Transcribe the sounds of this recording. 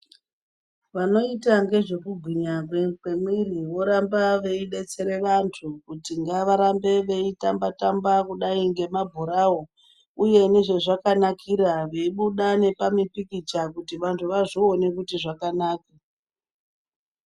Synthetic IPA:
ʋano̞itaŋɡe̞ʐe̞kuɡʱwiɲakwemwiriwo̞ɾambaʋe̞iɗe̞t͡se̞ɾe̞ʋantʰukutiŋɡaʋaɾambe̞ʋe̞itambatambakuɗaiŋɡe̞mabʱoɾao̞ | uje̞ne̞ʐe̞ʐakanakiɾaʋeiɓuɗane̞pamipikit͡ʃakutiʋantʰuʋaʐione̞kutiʐakanaːka

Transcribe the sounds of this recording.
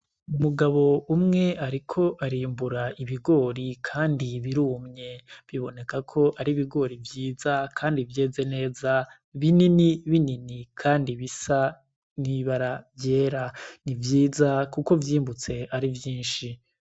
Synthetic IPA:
umuɡaβo̞umŋe̞ʔaɾikʰo̞ʔaɾiːmbuɾaʔiβiɡo̞ːɾikʰaːndiβiɾuːmɲe̞βiβo̞ne̞kakʰo̞ʔaɾiβiɡo̞ːɾivjiːzakʰaːndivjeːze̞ne̞ːza | βininiβininikʰaːndiβisa | niβaɾavje̞ːɾanivjiːzakuko̞vjiːmbut͡se̞ʔaɾivjiːnʃi

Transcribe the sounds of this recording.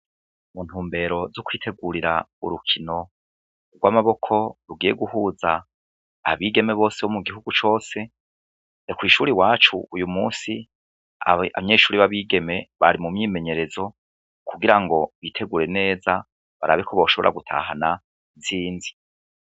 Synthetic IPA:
muːn̥uːmbe̞ɾo̞zokwiːtʰe̞ɡuɾiɾaṵɾukʰino̞ | ɡwamaβo̞kʰo̞ɾuɡiːje̞ɡuhuːzaː | βiːɡe̞me̞βo̞ːseomuɡiɦuɡut͡ʃo̞ːse̞ | ekwiːʃuɾiwaːt͡ʃṵujumuːsi | aa̰βaɲeːʃuːɾiβaβiːɡe̞me̞βaɾimumɲiːme̞ɲe̞ɾe̞zo̞ | kʰuɡiɾaŋɡo̞βiːtʰe̞ɡuɾe̞ne̞ːza | βaɾa̰βikʰo̞βo̞ːʃo̞βo̞ɾa̰ɡutʰa̰ɦana | ziːnzi

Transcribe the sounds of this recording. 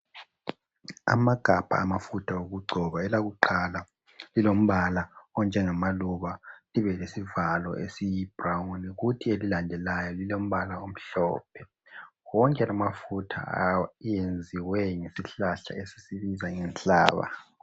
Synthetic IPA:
a̰maɡ̥ʱab̥ʱa̰ːmafutʰaoɣuɡ͡ǀʱɔβaɛlaɣuǃala | lilom̩βalaɔnd͡ʒʱɛŋamaluβaliβɛlesivalɔ̰ʔḛsijib̥rawuniɣutʰielilandʱɛlajɔlilom̩βalaom̩ɬɔ̰ːp̚ʰɛ | wɔŋkʼɛlamafutʰa̰jend͡zʱiwɛŋesiɬaɬa̰esi̥siβizaŋɛnt͡ɬʼa̰ːβa̰

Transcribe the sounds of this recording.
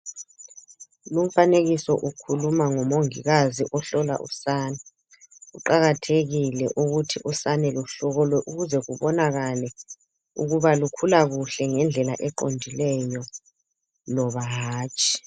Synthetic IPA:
lum̩faneɣisɔʔukʰulumaŋɔmoŋiɣaziʔɔɬɔla̰ʔṵsaːnɛ | uǃaɣatʰeɣilɛʔuɣutʰiʔusanɛlɔɬɔɣɔlwɛʔuɣuzɛɣuβɔnaɣalɛ | uɣuβalukʰulaɣuɬɛŋɛnd͡ɮʱɛlaʔɛǃondʱilɛjɔ | lɔβaɦaːt͡ʃʼi̥

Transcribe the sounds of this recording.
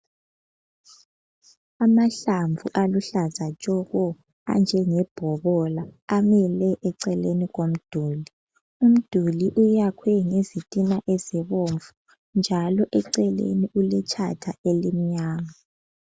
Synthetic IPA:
amaɬaɱvʱṵʔaluɬazat͡ʃʼɔɣɔ | a̰nd͡ʒʱɛŋɛb̥ʱɔβɔlaːmɛlɛʔɛǀɛleniɣom̩d̥ʱuːli | um̩d̥ʱuliʔujakʰwɛŋezitʼinaʔeziβoɱvu | nd͡ʒʱalɔʔɛǀɛlḛniʔulɛt͡ʃʰa̰tʰa̰elimiɲaːŋa

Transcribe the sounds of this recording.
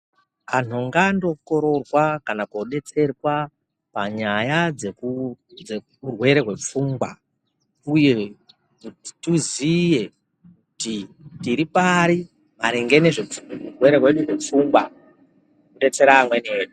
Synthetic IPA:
an̤uŋɡando̞ko̞ɾo̞rwakanakoɗe̞t͡se̞rwa | pa̰ɲajaekud͡ze | urwe̞ɾeɦwe̞p͡fuŋɡwa̰ | uje | kuttuzije | kutitiɾipaɾi | maɾiŋɡe̞ne̞ʐerwe̞ɾeɦwe̞ɗurep͡fuŋɡwa | uɗe̞t͡se̞ɾaːmweneːɗu

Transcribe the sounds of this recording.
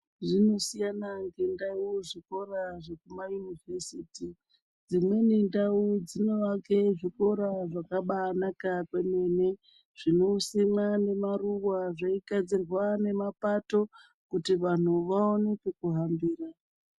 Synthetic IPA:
ʐino̞sijanaŋɡe̞ndauʐiko̞raʐekumajunivesiːti | d͡zimwe̞nindaud͡zino̞ʋaŋke̞ʐiko̞ɾaʐakaɓanakakweme̞ne̞ | ʐ̥ino̞simane̞maruwaʐaiɡad͡zirwane̞mapato̞ | kutiʋan̤uʋaonekekuɦambiːra

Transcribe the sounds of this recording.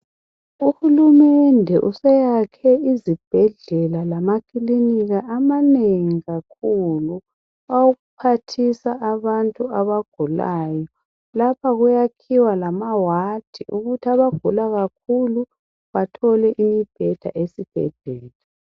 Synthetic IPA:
uhulumɛndʱɛʔusɛjakʰɛizib̥ʱɛɮɛlalamakʰʼiliniɣaamaneŋiɣakʰulu | auɣupʰatʰisaʔːβantʼuaβaɡ̥ʱulaːjɔ | lapʰaɣujakʰiwalamawad̥ʱḭʔuɣutʰiaβaɡ̥ʱulaɣakʰulu | βatʰɔlɛʔimib̥ʱɛd̥ʱa̰ʔesib̥ʱɛ̰ɮɛːla

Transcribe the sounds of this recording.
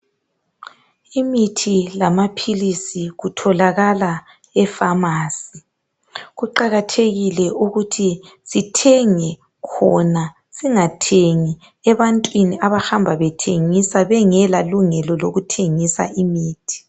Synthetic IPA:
imitʰilamapʰilisiɣutʰɔlaɣala | ɛfamaːsi | ɣuǃaɣatʰeɣilɛʔuɣutʰisitʰɛŋɛ | kʰɔna | siŋatʰeŋi | ɛβantʼwiniʔaβaxambʱaβɛtʰeŋisaβɛŋɛlaluŋɛlɔloɣutʰeŋisa̰ʔimiːtʰi̥

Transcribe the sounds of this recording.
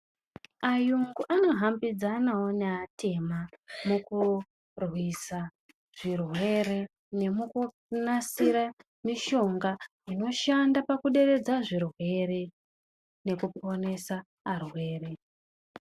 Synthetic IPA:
ajuŋɡuʔano̞ɦambid͡zanawoneatʰe̞mamuku | rwisa | ʐ̥irwe̞ɾe̞ | ne̞muku | nasiɾa | miʃo̞ŋɡa | ino̞ʃandapakuɗe̞ɾe̞d͡zaʐirwe̞re̞ | ne̞kupʰo̞ne̞saː | rwe̞ːre̞

